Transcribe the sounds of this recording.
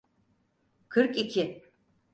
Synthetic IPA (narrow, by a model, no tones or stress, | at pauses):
kʰɯɾkicʰɪ